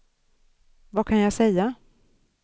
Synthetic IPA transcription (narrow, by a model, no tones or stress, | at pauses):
vakʰanjasɛjːa